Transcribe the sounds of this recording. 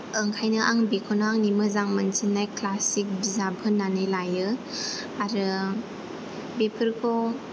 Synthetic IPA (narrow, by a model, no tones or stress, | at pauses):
əŋkʰajnɯʔaŋbekʰonaŋnimɯzaŋmansinːajklasik̚bizabʰʱɯnːanɯjlajɯ | aɾɯ | bepʰɯɾkʰo